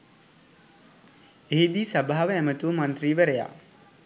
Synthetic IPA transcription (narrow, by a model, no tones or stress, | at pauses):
eɦid̪iːsɐbaɦːaʋəæmət̪uʋəmant̪riːʋəɾeja̰ː